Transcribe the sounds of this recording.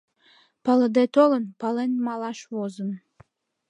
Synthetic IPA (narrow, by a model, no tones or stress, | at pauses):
pɑləd̪et̪olənpɑlenmɑlɑʃβozən